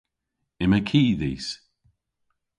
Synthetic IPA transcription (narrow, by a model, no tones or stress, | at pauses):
ɪməkʰiːðiːs